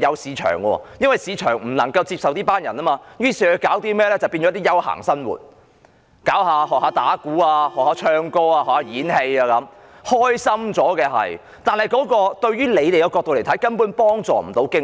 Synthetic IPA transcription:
jɐ˨˧wsiː˨˧t͡ʃʰœ̰ː˨˩ŋkɔ̰ː˧jɐ˥nwɐ˨jsiː˨˧t͡ʃʰœː˨˩ŋm̩˨˩nɐ˨˩ŋkɐ˧wt͡siː˧p̚sɐ˨wt̪iː˥paː˥njɐ˨˩nɐː˥maː˧jyː˥siː˨˩kɵ˨˧kaː˨˥wt̪iː˥mɛː˥lɛː˥t͡sɐ˨wpiː˧nt͡ʃɔː˨˥t̪i˥jɐ˥wha̰ː˨˩ŋsɐ˥nwṵː˨˩t̚ | kaː˨˥wɦaː˧ɦɔː˨k̚haː˨˧˥t̪aː˨˥kuː˨˥aː˧hɔː˨k̚haː˨˧˥t͡ʃʰœː˧ŋkɔː˥aː˧hɔː˨˩khaː˨˧jiː˨˥nhe˧jaː˨˧kɐ˨˥m | hɔː˥jsɐ˥mt͡sɔː˨˥kɛː˧ɦɐ̰˨j | t̪aː˨nhɐ˨˩jkɔː˨˥kɔː˧t̪ɵ˧ɥyː˥le˨˧jt̪e˨˩jɐ˨˧wkɔː˧k̚t̪o˧wle˨˩jt̪ʰjkɐ˥npuː˨˥npɔː˥ŋt͡sɔ̰ː˨m̩˨˩t̪o˨˧˥wkɪ˥ŋ

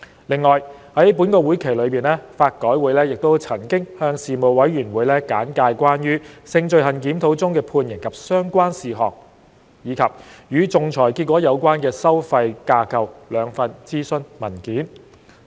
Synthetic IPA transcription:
lɪ˨ŋːɔː˨j | hɐ˨˥jp̬uː˨˥nkɔː˧wuː˨˥jkʰe˨˩jlɵ˨˧piː˨˩nlɛː˥faː˧t̚kɔː˨˥jwuː˨˥jlɛː˥jɪ˨k̚t̪o˥wt͡sʰɐ˨˩nkɪ˥ŋhœː˧ŋsiː˨mo˨˩wwɐ˨˥jɥyː˨˩nwuː˨˧jlɛː˥kaː˨˥nkaː˧jkʷaː˥njyː˥sɪ˧ŋt͡sɵ˨˧ɥɦɐ˨nkiː˨˥mt̪ʰo˨˥wt͡sʊ˥ŋkɛː˧pʰuː˧njɪ˨˩ŋkʰɐ˨p̚sœː˥ŋkʷaː˥nsiː˨˩ɦɔ̰ː˨k̚ | jiː˨˧kʰɐ˨p̚jyː˨˧t͡sʊ˨ŋt͡sʰɔː˨˩jki˧t̚kʷːɔː˨˥jɐ˨˧wkʷwaː˥nkɛː˧sɐ˥wfɐ˧jkaː˧kʰɐ˨wlœː˨˧ŋfɐ˧nt͡siː˥sɵ˧nmɐ˨˩nkiː˨˥n

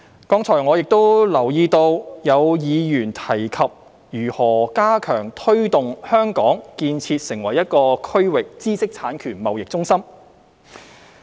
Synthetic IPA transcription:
kɔː˨˥ŋt͡sʰɔː˨˩jŋɔː˨˧jɪ˨k̚t̪o˥wlɐ˨˩wjiː˧t̪o˧wjɐ˨˧wjiː˨˧jyː˨˩nt̪ʰɐ˨˩jkʰɐ˨p̚ | jyː˨˩hɔː˨˩kaː˥kʰœː˨˩ŋt̪ʰɵ˥ɥt̪ʊ˨ŋhœː˥ŋkɔː˨˥ŋkiː˧nt͡sʰiː˧t̚sɪ˨˩ŋwɐ˨˩jːɐ˥t̚kɔː˧kʰɵ˥ɥwɪ˨k̚t͡siː˥sɪ˥k̚t͡sʰaː˨˥nkʰyː˨˩nmɐ˨wjɪ˨k̚t͡sʊ˥ŋsɐ˥m

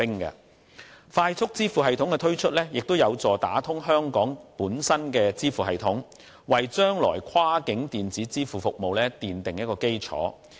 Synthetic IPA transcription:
ɪ˥ŋkɐ̰ː˧ | faː˧jt͡sʰʊ˥k̚t͡siː˥fuː˨ɦɐ˨jt̪ʰʊ˨˥ŋkɛ˧t̪ʰɵ˥ɥt͡ʃʰɵ˥t̚lɛː˥jɪ˨k̚t̪o˥wjɐ˨˧wt͡sɔː˨˩t̪a̰ː˨˥t̪ʰʊ˥ŋɦœː˥ŋkɔː˨˥ŋpuː˨˥nsɐ˥nkɛː˧t͡siː˥fuː˨hɐ˨jt̪ʰʊ˨˥ŋ | wɐ˨jt͡ʃœː˥ŋlɔ̰ː˨˩jkʰwaː˥kɪ˨˥ŋt̪iː˨nt͡siː˨˥t͡siː˥fuː˨˩fʊ˨k̚mo˨wlɛː˥t̪iː˨nt̪ɪ˨ŋjɐ˥t̚kɔː˧ke˥jt͡sʰɔ̰ː˨˥

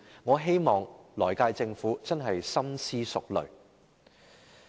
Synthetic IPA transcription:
ŋɔː˨˧ɦe˥jmɔː˨˩ŋlɔː˨˩jkaː˧jt͡sɪ˧ŋfuː˨˥t͡sɐ˥nɦɐ˨jsɐ˥msiː˥sʊ˨k̚lɵ̰˨˩ɥ

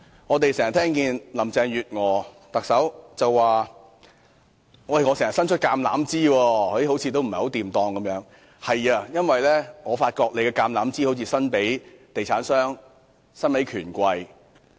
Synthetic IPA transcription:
ŋɔː˨˧t̪e˨jsɛː˨˩ŋɐ˨˩t̪ʰɛː˥ŋkiː˧nlɐ˨˩mt͡sɛː˧ŋjyː˨t̚ŋɔː˨˧ | t̪ɐ˨k̚sɐ˨˥wt͡sɐ˨wːaː˨ | wɐ˧jŋɔ˨˧sɛː˨˩ŋɐ˨˩sɐ˥nt͡ʃʰɵ˥t̚kaː˧mla̰ː˨˥mt͡siː˥wɔː˧ɔ˧d̪i˥ho˨˥wt͡sʰiː˧t̪̬o˥wm̩˨˩jho˨˥wt̪iː˨mt̪ɔː˧ŋkɐ˨˦mjœː˨˥ŋ | hɐ˨jaː˧jɐ˥nwɐ˨jlɛː˥ŋɔː˨˧faː˧t̚kɔː˧k̚le˨˧jkɛː˧kaː˧mlaː˨˥mt͡siː˥o˨˥wt͡sʰiː˧sɐ˥npe˨˥jt̪e˨jt͡sʰaː˨˥nsœː˥ŋ | sɐ˥nmɐ˨˥jkʰyː˨˩nkʷɐ˧j

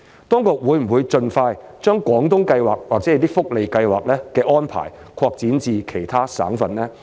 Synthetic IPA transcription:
t̪ɔː˥ŋkʊ˨k̚wuː˨˧jm̩˨˩wuː˨˧jt͡ʃɵ˧nfaː˧jt͡ʃœː˥ŋkʷɔː˨˥ŋt̪ʊ˥ŋkɐ˧jwaː˨k̚waː˨k̚t͡sɛ˨˥jt̪iː˥fʊ˥k̚le˨˧jkɐ˧jwaː˨k̚lɛː˥kɛː˧ʔɔː˥npʰa̰ː˨˩jkʰɔː˧k̚t͡siː˨˥nt͡siː˨˧kʰe˨˩jt̪ʰaː˥sa̰ː˨˥ŋfɐ˨˧nlɛː˥

